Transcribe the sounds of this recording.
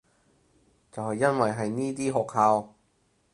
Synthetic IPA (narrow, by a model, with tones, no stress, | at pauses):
t͡sɐ˨wɦɐ˨jːɐ˥nwɐ˨jɦɐ˨jniː˥t̪iː˥ɦɔː˨khaː˧w